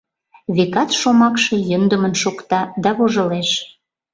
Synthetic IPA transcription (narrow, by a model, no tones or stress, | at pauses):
βekɑt̪ʃomɑkʃɤ̽jənd̪ə̆mənʃokt̪ɑd̪ɑβoʒə̆leʃ